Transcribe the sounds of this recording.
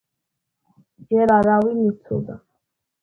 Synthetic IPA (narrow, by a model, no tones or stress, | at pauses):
d͡ʒɛɾaɾawimit̪sʰɔ̰d̪a̰